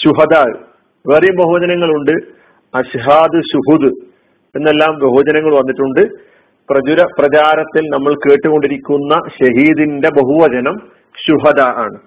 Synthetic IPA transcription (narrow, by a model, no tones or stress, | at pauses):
ɕuɦɐd̪aːɨ̰ | ʋeːrɐjumbɐɦuʋɐd͡ʑɐnɐŋːɐɭuɳɖɨ | ɐɕɦaːd̪ɨɕuɦud̪ɨ | e̞nːe̞lːaːmbɐɦuɐd͡ʑɐnɐŋːɐɭʋɐnːiʈːuɳɖɨ | prɐd͡ʑuɾɐprɐt͡ɕaːɾɐt̪ːilnɐmːɐɭke̞ːʈːuɣo̞ɳɖiɾikʲːunːɐɕɐɦiːd̪inde̞bɐɦuʋɐd͡ʑɐnɐm | ɕuɦɐd̪aːʔa̰ːɳɨ